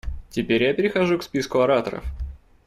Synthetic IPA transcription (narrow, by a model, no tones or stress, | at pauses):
tʲɪpʲeɾʲjapʲɪɾʲɪxɐʐukspʲiskʊɐɾat̪ə̰ɾə̰f